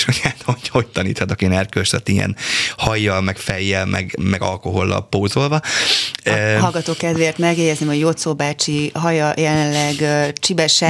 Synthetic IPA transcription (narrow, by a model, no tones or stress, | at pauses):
ʃhoɟat̪ɒoɟhoc̚t̪ɒnḭːt̪hɒt̪ɒkienɛrkøsɒt̪ijɛ̰nhɒjːɒlmɛkfɛjːɛlmʔɛ̰ɡmɛɡɒ̰lko̞ɦo̞lːɒ̰lpoːzo̞lvɒ | ɒlɡɒt̪oːkɛzʋeːrt̪mɛɡjɛɟɛznimho̞ɟjot̪soːbaːt͡ʃiɦɒjɒjɛlɛnlɛɡt͡ʃibɛʃɛ